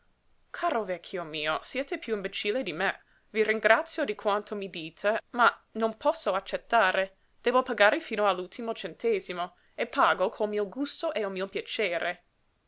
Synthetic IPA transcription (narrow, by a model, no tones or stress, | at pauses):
kʰaːɾovɛkʰːjomiːosjɛːt̪epjuimbet͡ʃiːled̪ime | viriŋɡɾat̪sjod̪ikʰwant̪ʰomid̪iːt̪ʰemanonpɔsːoat͡ʃːet̪ːaːɾe | d̪̥ɛːbopaɡaːɾifiːnoalːult̪ʰimot͡ʃent̪eːzimo | epːaːɡokʰolmiːoɡust̪oʔeomiːopjat͡ʃeːɾʔe